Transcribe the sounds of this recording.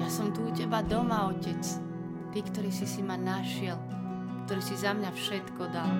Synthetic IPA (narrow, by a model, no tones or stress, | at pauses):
jasɔmt̪uːcɛbad̪ɔmaɔcɛt͡s | t̪iːkt̪ɔɾiːsisimanaʃɪɛl | kt̪ɔɾiːsizamɲafʃɛt̪kɔd̪al